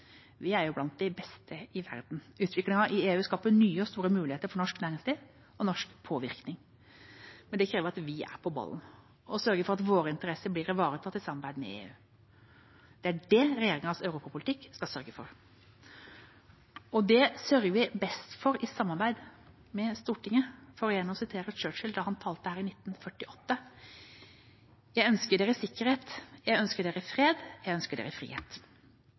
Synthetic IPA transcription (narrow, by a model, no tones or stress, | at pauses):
ʋɪæɾjʊblɑnt̪̚d̪æɪbɛst̪ʰəʔɪʋæ̰ɾd̪n̩ʉːt̪ʰʋɪklɪŋɑɾʔɪeːʉːskɑːpənyːəɔst̪uːɾəmʉːlɪheːt̪əɾfɔɳɔʂknæːɾɪŋsliː | ɔnɔʂkpʰoːʋɪɾknɪŋ | mɛnd̪ɛkʰɾeːʋəɾɑt̪ʋɪæ̰ɾpʰɔbɑ̰ln | ɔsœɾɡəɾfɔɾɑt̪ʋoːɾəɪnt̪əɾɛsəbliːɾɪʋɑːɾət̪ʰɑt̪ːɪsɑmːɑɾbæɪd̪mɛ̰ḛːʉː | d̪̥ɛæɖɛɾɛjeːɾɪŋɑsœʉɾuːpɑpʰʊlɪt̪ʰɪkːskɑsœɾɡəfɔ̰ɾ | ɔd̪ɛsœɾɡəʋɪbɛst̪fɔɾɪsɑmːɑɾbæɪd̪ | mɛst̪uːʈʰɪŋːəfɔɾɔjɛnːəɔsɪt̪ʰeːɾət͡ʃøːt͡ʃɪld̪ɑhɑnt̪ʰɑːlt̪ːəhæːɾɪnɪt̪ːnfœʈːɪʔɔt̪ːə | jæɪœnskəɖeːɾəsɪkːəɾheːt̪jæɪœnskəɖeːɾəfɾeːd̪jæɪœnskəɖḛːɾəfɾḭːhḛːt̪